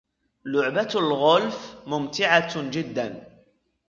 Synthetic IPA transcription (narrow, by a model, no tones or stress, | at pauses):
lʊʕbaalɣʊlfmʊmt̪ɪʕad͡ʒɪd̪ːan